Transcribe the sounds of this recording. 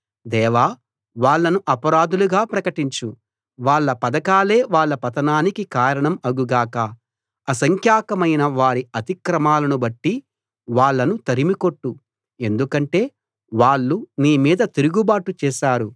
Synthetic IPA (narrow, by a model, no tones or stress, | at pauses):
d̪ɛːʋaː | ʋaːɭːɐnuʔɐpɐɾaːd̪uluɡaːpɾɐkɐʈiɲt͡ʃu | ʋaːɭːɐpɐd̪ɐkaːle̞ːʋaːɭːɐpɐt̪ɐnaːnikikaːɾɐɳɐmɐɡuɡaːkɐ | ɐs̬ɐŋkʰjaːkɐmɐjnɐʋaːɾiɐt̪ikɾɐmaːlɐnubɐʈːi | ʋaːɭːɐnut̪ɐɾimiko̞ʈːu | e̞nd̪ukɐɳʈe̞ː | ʋaːɭːuniːmiːd̪ɐt̪iɾuɡubaːʈut͡ʃɛːʃaːɾu